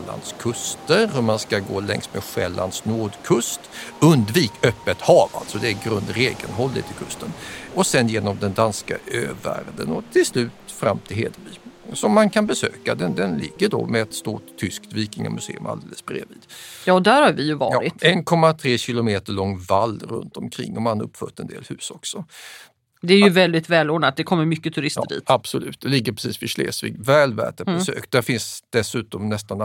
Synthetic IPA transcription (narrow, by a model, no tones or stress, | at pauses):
la̰nd̪skʰɵst̪əɾhɵmanskaɡoːlɛ̰ŋst̪mɛɧɛlːand̪snoːd̪kʰɵst̪ɵnd̪viːkœpːət̪hɑːva̰lt̪sɔd̪ɛæɾɡɾɵnd̪ɾeːɡənɦɔlːɪ̰t̪ʰɪkʰɵst̪ənɔsɛnjeːnɔmd̪ɛnd̪anska̰øːvæ̰ɾd̪ənɔt̪ʰɪlslʉ̟ːt̪fɾa̰mːt̪ʰɪlhḛːd̪əbyːsɔmːankʰanbɛsøːkad̪ɛnd̪ɛnlɪɡːəɖɔ̰mɛat̪st̪oːʏskt̪viːk̪ɪŋɔ̰mɵsḛːɵmʔa̰ld̪eːləsb̥ɾḛːviːd̪̥jɑːd̪æɾhaɾvɪjɵvɑ̰ːjɾɪtɛnkʰɔmːat̪ʰɾeːɕɪlʊmeːt̪əɭɔŋːvalːɾɵ̰nt̪ɔmkʰɾɪ̰ŋːʔɔmanhaɾɵ̰pːfœʈ̪ɛnd̪ḛːlhʉ̟ːsɔksɔ | d̪ɛæɾjɵvɛld̪ɪt̪vɛːloːnat̪̚d̪ɛkʰɔmːəɾmʏkːət̪ʰɵɾɪstːdḭːt̪ab̥sɔlʉ̟ːt̪̚d̪ɛlɪɡːəpʰɾɛsiːsfɪʂlḛːsvḭːɡvɛːlvæ̰ːʈabɛsø̰ːkd̪æɾfɪnsd̪̥ɛsʉ̟ːt̪ɔmnɛst̪an